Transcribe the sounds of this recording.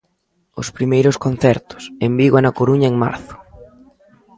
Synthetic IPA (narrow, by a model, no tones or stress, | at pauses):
ʊ̰spɾimejɾʊskon̟θɛɾt̪ʊ̥sembiɣwaɛnɐkoɾuɲɐeŋma̰ɾθʊ̥